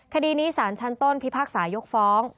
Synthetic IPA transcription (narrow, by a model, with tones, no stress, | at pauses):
kʰa˧diː˧niː˦˥saː˩˦nt͡ɕʰa˦˥nt̪o˥˩npʰi˦˥pʰaː˥˩k̚saː˩˦jo˦˥k̚fɔː˦˥ŋ